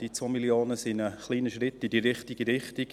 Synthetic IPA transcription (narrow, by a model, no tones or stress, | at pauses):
d̥it͡sʋoːmiljoːnəsɪnəχliːnəʃɾɪtːidiɾɪχtiɡ̥iɾɪχtik